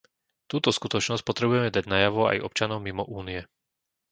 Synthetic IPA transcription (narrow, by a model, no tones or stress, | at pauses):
t̪uːt̪ɔskut̪ɔt͡ʃnɔsc̚pɔt̪ɾɛbujɛmɛd̪aɟnajaʋɔa̰jʔɔ̰p̚t͡ʃanɔʊmimɔʔuːniɛ